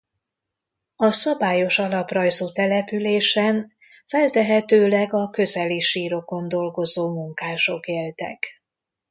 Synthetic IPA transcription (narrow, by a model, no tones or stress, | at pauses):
ɒsɒbaːjo̞ʃɒlɒprɒjzuːt̪ɛlɛpyleːʃɛn | fɛlt̪ɛɦɛt̪øːlɛɡɒkø̞zɛliʃiːɾo̞ko̞nd̪o̞lɡo̞zoːmuŋkaːʃo̞keːlt̪ɛ̰k